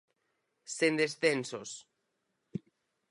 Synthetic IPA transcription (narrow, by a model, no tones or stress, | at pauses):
send̪esθensos